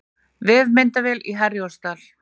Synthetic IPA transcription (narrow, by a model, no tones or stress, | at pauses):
vɪðmɪnt̪avɛliɦɛrjɔst̪al̥